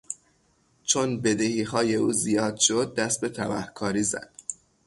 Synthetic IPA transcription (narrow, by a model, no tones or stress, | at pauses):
t͡ʃʰonbe̞d̪e̞hiːhɒːje̞uːzijɒːd̪̥ʃo̞d̪̚ːæst̪̚be̞t̪ʰævæhkʰɒːɾiːzæ̰d̪̥